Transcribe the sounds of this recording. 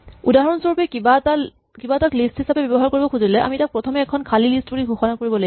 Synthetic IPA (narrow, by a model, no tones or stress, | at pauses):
udaɦɔɔnsɔɹupɛkibata | kibataklisthisapɛbɔbɔɦaɹkoɹibɔkʰuzilɛʔa̰mitak̚pɹɔtʰɔmɛːkʰɔnkʰalilistbuɹiɡʱoxɔnakoɹibɔloɡi